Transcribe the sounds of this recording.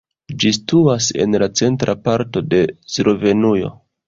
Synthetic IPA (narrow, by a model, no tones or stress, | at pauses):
d͡ʒistuase̞̰nlat͡se̞ntɾʔapaɾto̞de̞sɾo̞ve̞nujo̞̰